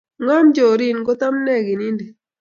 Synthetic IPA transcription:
ŋɔ˦md͡ʒo˨ɾi˦˨nɡo˦t̪a˦m˦nɛ˦˨ɡi˨ni˦ndi˨

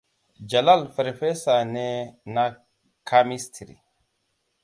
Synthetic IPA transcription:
d͡ʒa˨la˦˨lfə˨ɾe˨fe˦sa˨ne˦na˦ | kʰa˦mi˦stɾḭ˨

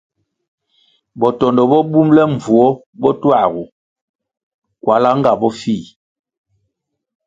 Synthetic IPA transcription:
bɔ˨tɔ˨ndɔ˨bɔ˦bu˦mlɛ˦ɱ˨vu˨ɔ˦ | bɔ˦twa˦˨ɣu˨ | kwa˨la˦ŋ˦ɡa˨bɔ˦fi˦˨

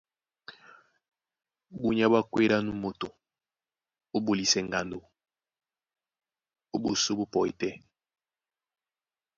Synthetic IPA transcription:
bu˦ɲa˦ba˦kwe˦ɾa˦nu˦mo˨to˨ | o˦bo˨li˨sɛ˨ŋɡa˨ndo˨ | o˦bo˨so˦bo˦pɔ˨i˨tɛ˦

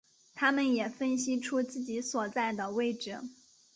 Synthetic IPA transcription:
t̪ʰa˥mə˨njɛ˨˩fə˥nɕ̬i˥ʈ͡ʂʰu˥t͡sɹ̩˥˩t͡ɕi˧˥swɔ˨˩t͡sa˥˩ɪd̪ə˩we˥˧ɪʈ͡ʂɻ̩˨˩˦

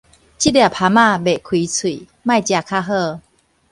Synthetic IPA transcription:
t͡ɕi˦˥dja˨˩pʰa˧˦mã˥˧˨be˨˩kʰwi˧˦t͡sʰwḭ˨˩˨ | mã˥˧jt͡ɕja˧kʰa˥˧ɦɤ˥˧

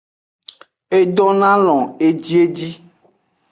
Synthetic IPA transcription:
e˨ɖɔ̃˦nã˦lɔ̃˨e˨d͡ʒi˦e˦d͡ʑi˦

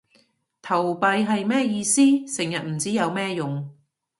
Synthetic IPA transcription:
t̪ʰɐ˨˩wpɐ˧jɦɐ˨jmɛː˥jiː˧siː˥sɪ˨˩ŋjɐ˨t̚m̩˨˩t͡siː˨˥jɐ˨˧wmɛː˥jʊ˨ŋ

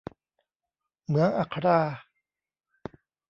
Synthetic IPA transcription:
mɯ˨˦əŋʔa˧˩kʰa˧ɾaː˧

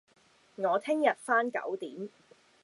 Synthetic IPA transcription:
ŋɔː˨˧t̪ʰɪ˥ŋjɐ˨t̚faː˥nkɐ̰˨˥wt̪iː˨˥m

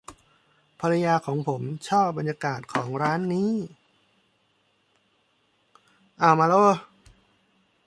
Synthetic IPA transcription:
pʰa˧ɾa˧jaː˧kʰɔː˩˦ŋpʰo˩˦mt͡ɕʰɔː˥˩p̚ba˧njaː˧kaː˨˩t̪̚kʰɔː˩˦ŋɾaː˦˥nːiː˦˥ | ʔaː˧˩wmaː˧loː˧˥˩

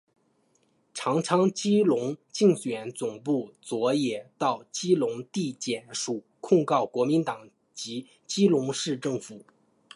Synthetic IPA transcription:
ʈ͡ʂʰɑ˧˥ŋʈ͡ʂʰɑ˥ŋt͡ɕi˥lʊ˧˥ŋt͡ɕi˥˩ŋɕɥɛ˨˩nt͡sʊ˨˩ŋpu˥˩t͡swɔ˧˥jɛ˨˩t̪ɑ˥˩ʊt͡ɕi˥lʊ˧˥ŋt̪i˥˩t͡ɕjɛ˨˩nʂu˨˩˦kʰʊ˥˧ŋkɑ˥˩ʊkwɔ˧˥mi˧˥nt̪ɑ˨˩˦ŋ | t͡ɕi˧˥ | t͡ɕi˥lʊ˧˥ŋʂɻ̩˥˧ʈ͡ʂɤ˥˩ŋfu˨˩˦

